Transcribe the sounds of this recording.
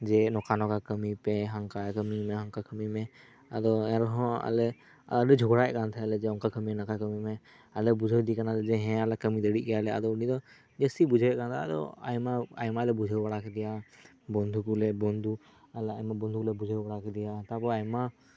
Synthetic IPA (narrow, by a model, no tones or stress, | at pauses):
d͡ʒɛnɔkanɔkakəmipɛɦaŋkakəmimɛɦaŋkakəmimɛ | ad̪ɔɛɾɔɦɔ̃a̰lɛ | a̰dɛd͡ʒʱɔɡɽajʔkant̪ʰaalɛd͡ʒɛɔŋkakəmiɛnakakəmimɛ | alɛbud͡ʒʱəwd̪ikanalɛd͡ʒɛɦɛ̃alɛkəmid̪əɽiʔ̚kɛjalɛa̰d̪ɔunid̪ɔ | d͡ʒəsibud͡ʒʱawɛʔkant̪ʰaa̰d̪ɔ̰a̰jmaa̰jmaalɛbud͡ʒʱəwbaɽakɛd̪ija | bɔnd̪ʱukulɛbɔnd̪ʱu | alɛajmabɔnd̪ukulɛbud͡ʒʱəwbaɽakɛd̪ijat̪abɔajma